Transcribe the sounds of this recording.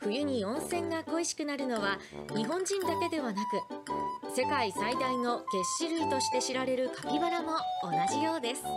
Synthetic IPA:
ɸɯ̟jɯ̟ɲ̟iõ̞ɰ̃sẽ̞ŋɡako̞iɕi̥kɯ̟naɾɯ̟no̞βa | ɲ̟iɦõ̞ɲ̟d͡ʑĩnd̪ake̞d̪e̞β̞anakɯ̟se̞kaisaid̪aino̞ɡ̥e̞ɕiɾɯ̟it̪o̞ɕi̥t̪e̞ɕiɾaɾe̞ɾɯ̟kapʲibaɾamo̞ːnaʑijo̞ːd̪e̞sɨ̥

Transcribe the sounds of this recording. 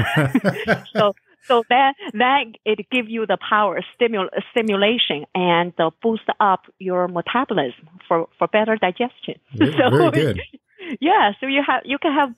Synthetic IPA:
soʊ | soʊðɨt̚ðɨt̚ɪt̚ɡ̥ɪvjɨðəpʰaʊə˞stɪmjlstɪ̃mjuleɪʃɨ̃nɨ̃nb̥ustʌpʰ | jə˞mətʰæbəl̩ˠɪzmfə˞fə˞bɛɾə˞daɪd͡ʒɛst͡ʃɨ̰̃nsoʊd | jæsoʊjɨəjɨkɨ̃nəv

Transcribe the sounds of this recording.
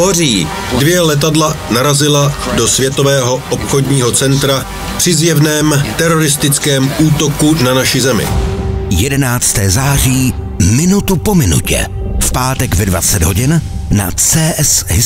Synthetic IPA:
oriː | dvjɛlɛt̪̬adlanaɾazɪladosvjɛt̪ovɛːɦo̞ʔopxodɲiːɦot͡sɛnt̪ɾa | pr̝̥ɪzjɛvnɛːmt̪ɛɾoɾɪst̪ɪt͡skɛːmuːt̪o̞kunanaʃɪzɛmɪ̰jɛdɛnaːt͡st̪ɛːzaːr̝iː | mɪnut̪upo̞mɪnṵcɛ̰ | fpaːt̪ɛɡvɛdva̰t͡sɛd̪ɦo̞ɟɪnna̰t͡sɛːʔɛsɦɪ

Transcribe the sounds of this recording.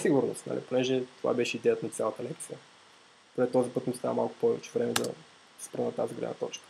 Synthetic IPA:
siɡʊɾno̰st̪nə̰lʲʔḭponɛʒɛt̪ova̰bɛʃɛid̪ɛət̪nɐt̪sʲjalˠət̪əlɛkt̪sijə | ponɛt̪ɔzipɤt̪mʊst̪a̰əmalˠkʊ̥pɔvɛt͡ʃɛvɾɛmɛd̪ɐ̰ | spɾənɐt̪aziɡlɛ̰d̪nə̰t̪ɔt͡ʃkə̥

